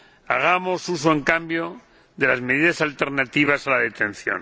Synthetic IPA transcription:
a̰ɣ̞amo̞sus̬oe̞ŋkambjo | ðe̞lazme̞ðiðasalt̪e̞ɾnat̪iβ̞asalaðe̞t̪ẽ̞n̟θjo̰n

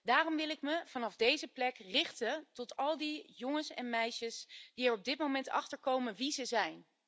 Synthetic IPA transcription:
daːrɔmʋɪlˠɪkməv̥ɑnɑvdejzəplɛkrɪχtətɔtɑlˠdijɔŋəsɛ̰nmɛjʃəsd̥iɛɹɔb̚dɪtmowmɛntɑ̰χtəɹkowmənʋizəzɛjn

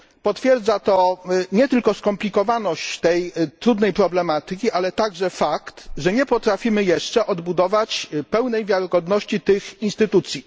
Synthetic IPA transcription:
pɔt̪fʲjɛɾd̪zat̪ɔɲɛt̪ɘlkɔskɔmplʲikɔvanɔɕt͡ɕt̪ɛjt̪ɾud̪nɛjpɾɔblɛmat̪ɘkʲiʔalɛt̪aɡʐɛfakt̪ʐɛɲɛpɔt̪ɾafʲimɘjɛʂt͡ʂɛʔɔd̪bud̪ɔvat͡ɕpɛwnɛjvʲjaɾɪɡɔd̪nɔɕt͡ɕit̪ɘxinst̪ɘt̪ut̪sʲji

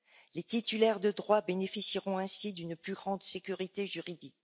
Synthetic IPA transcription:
let̪it̪ylɛʁd̪əd̪ʁwabenefisiʁɔ̃ɛ̃sid̪ynplyɡʁɑ̃d̪sekʲyʁit̪eʒyʁid̪ik̚

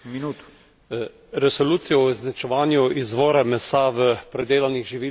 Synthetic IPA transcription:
minut̪ | ɾɛsoluːt̪sijɔznat͡ʃɛʋaːnjuʔizʋɔːɾamɛsaʋəpɾɛd̪eːlaniɣʒiʋiː

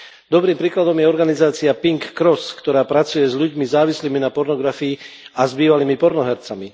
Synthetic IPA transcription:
d̪ɔbɾiːmpɾiːklad̪ɔmjɛɔɾɡanizaːt͡siapiŋkːɾɔskt̪ɔɾaːpɾat͡sujɛzʎuɟmizaːʋisliːminapɔɾnɔɡɾafiːazbiːʋaliːmipɔɾnɔɦɛɾt͡sami

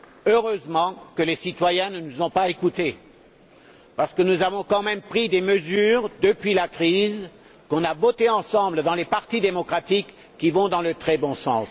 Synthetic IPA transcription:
øʁøzmɑ̃kəlesit̪wajɛ̃nənuzɔ̃paekut̪e | paʁsə̥kənuzavɔ̃kɑ̃mɛmpχid̪eməzyʁd̪əpɥilakχiz | kɔ̃navɔt̪eɑ̃sɑ̃bləd̪ɑ̃lepaʁt̪id̪emɔkχat̪ikː | ivɔ̃d̪ɑ̃lət̪χɛbɔ̃sɑ̰̃s

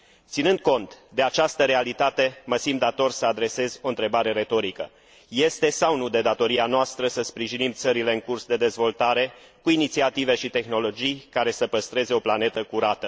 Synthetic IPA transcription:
t̪sinɨnd̪̥̚ko̞nt̪d̪e̞at͡ʃast̪əɾe̞alit̪at̪e̞məsimd̪at̪o̞rsəad̪ɾe̞se̞zʲo̞nt̪ɾe̞baɾe̞ɾe̞t̪o̞ɾikə̰ | je̞st̪e̞sawnud̪e̞d̪at̪o̞ɾianoast̪ɾəsəspɾiʒinimt̪səɾile̞ɨŋkursd̪e̞d̪e̞zvo̞lt̪aɾe̞ | kuinit̪siat̪ive̞ʃit̪e̞xno̞lo̞d͡ʒijkaɾe̞səpəst̪ɾe̞ze̞o̞plane̞t̪əkuɾat̪ə

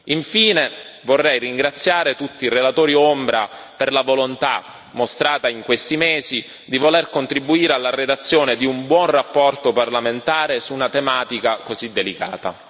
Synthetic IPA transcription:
iɱfiːnevorːɛjriŋɡɾat̪sːjaːɾet̪ut̪ːirelat̪oːɾiombɾaperlavolont̪a | most̪ɾaːt̪aiŋkwest̪imeːzi | d̪ivolerkont̪ɾibuiːɾealːared̪at̪sːjoːned̪iumbwɔnrapːɔrt̪oparlament̪aːɾesuːnat̪emaːt̪ikakozid̪ːelika̰ːt̪a

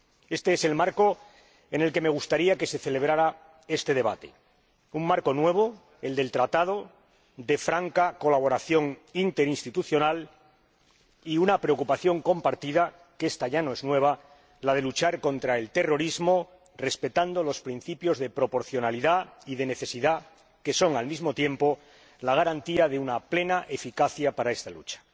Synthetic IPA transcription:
e̞st̪e̞ese̞lmaɾko̞ | e̞ne̞lke̞me̞ɣ̞ust̪aɾiake̞se̞θe̞le̞β̞ɾaɾa | e̞st̪e̞ð̞e̞β̞a̰t̪e̞̰ | uŋmaɾko̞nwe̞β̞o̞ | e̞ld̪e̞lt̪ɾat̪að̞o̞ | d̪e̞fɾaŋkako̞laβ̞o̞ɾaθjo̞ŋint̪e̞ɾinst̪it̪uθjo̞nal | iunapɾe̞o̞kupaθjo̞ŋko̞mpaɾt̪iða | ke̞st̪aʝanoe̞znwe̞β̞a | lað̞e̞lut͡ʃaɾko̞nt̪ɾae̞lt̪e̞ro̞ɾizmo̞ | re̞spe̞t̪and̪olo̞spɾin̟θipjo̞zðe̞pɾo̞po̞ɾθjo̞naliðaiðe̞ne̞θe̞siða | ke̞so̞ŋalmizmo̞t̪je̞mpo̞ | laɣ̞aɾant̪iaðe̞unaple̞naʔe̞fikaθjapaɾae̞st̪alut͡ʃḁ

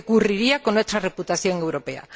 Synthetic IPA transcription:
kuriɾiakonet̪ɾareput̪aθjoŋewɾopea̰

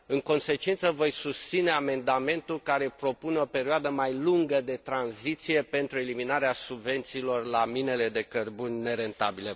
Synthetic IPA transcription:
ɨŋko̞nse̞t͡ʃint̪səvo̞jsust̪sine̞ame̞nd̪ame̞nt̪ulkaɾe̞pɾo̞puneo̞pe̞ɾioad̪əmajluŋɡəd̪e̞t̪ɾanzit̪sije̞pe̞nt̪ɾue̞liminaɾeasubve̞nt̪siːlo̞rlamine̞le̞d̪e̞kərbunʲne̞ɾe̞nt̪abile

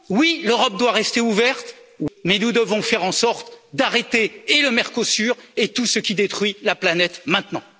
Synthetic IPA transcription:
wiløʁɔp̚d̪waʁɛst̪euvɛʁt̪mɛnud̪əvɔ̃fɛʁɑ̃sɔʁt̪d̪aʁet̪eːləmɛʁkosyʁet̪usəkʲid̪et̪χɥilaplanɛt̪mɛ̃t̪nɑ̃

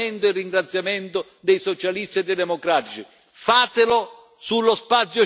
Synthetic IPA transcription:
ɛnt̪ʊirːiŋɡɾat̪sːjamɛnt̪ʊ | d̪ɛjsɔt͡ʃalist̪iɛd̪ed̪ɛmokɾaːt̪it͡ʃi | faːt̪ɪlo | sulːospat̪sːjʊ

